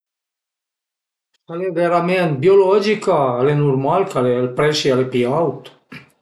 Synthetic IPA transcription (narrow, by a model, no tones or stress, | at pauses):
taleveɾament̪̚biolɔd͡ʒikaːlenuɾmalkalelpɾɛʃialepiawt̪